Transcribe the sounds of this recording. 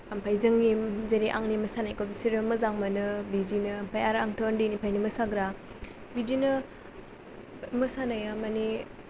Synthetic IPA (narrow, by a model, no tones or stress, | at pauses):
ampʰajzɯŋːizeɾiʔaŋnimɐsanajkobisiɾɯmɯzaŋmɯnɯbidinɯmpʰajaɾaŋtʰondinipʰajnimɯsaɡɾa | bidinɯ | mɯsanajamani